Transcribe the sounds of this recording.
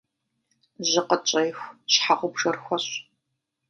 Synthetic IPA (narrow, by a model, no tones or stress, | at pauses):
ʑɪqət͡ʃʼɐjxʷɕħaʁʷʊbʒɐrxʷɔɕ